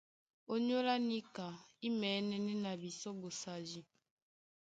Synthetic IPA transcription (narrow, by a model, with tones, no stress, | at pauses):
o˦ɲo˦la˦ni˦ka˨i˦mɛ˨˦nɛ˦nɛ˦na˨bi˨sɔ˦bo˨sa˨ʒi˦